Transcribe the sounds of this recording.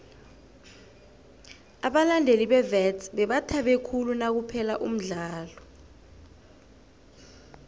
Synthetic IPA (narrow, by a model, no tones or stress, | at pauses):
aɓalandʱeliɓɛvɛtɓɛɓatʰaɓekʰulunak̬upʰɛlaʔum̩ɮaːlɔ